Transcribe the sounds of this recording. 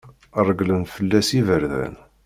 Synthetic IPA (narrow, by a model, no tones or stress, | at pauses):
ərˤːəɡlənfəlːæsivəɾðæ̰n